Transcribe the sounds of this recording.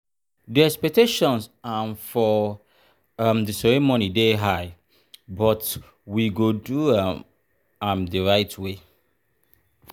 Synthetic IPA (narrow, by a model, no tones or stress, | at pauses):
diɛkspɛk̚tʰeʃɔ̃nsanfɔ | amdəsɛɹemonideɦaɪ | bɔt | wiɡodu | amdəɹaɪtʰwe